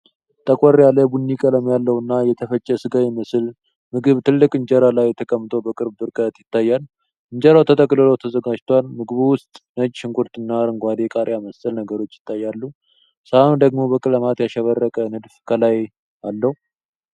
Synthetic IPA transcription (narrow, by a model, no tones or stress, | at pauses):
t̪ʼəkʼərjaləbunːikʼələmjalːəwɨnːajɛt̪ʰəfət͡ʃʼːɛsɨɡajɛməsɨl | mɨɡɨβt̪ʰɨlːɨkʼɨɲd͡ʒəɾalajːɛt̪ʰəkʼəmːt̪ʰʼobəkʼɨɾbbɨɾkʼət̪jɪt̪ʰːajːalː | ʔɨɲd͡ʒəɾawt̪ʰət̪ʼəkʼlɨlot̪ʰəzəɡad͡ʒt̪ʰwalmɨɡɨβuwʊst̪ʼnəd͡ʒʃɪŋkʷʼuɾt̪ɨnːaɾɨŋɡʷad̪ekʼaɾʔjaməsəlnəɡəɾo̞t͡ʃːjɪ̥t̪ʰːajːalːu | səhanud̪əɡmo̞bəkʼɨləmat̪jaʃɛβərːəkʼənɨd̪fkʰəlaj | alːəhu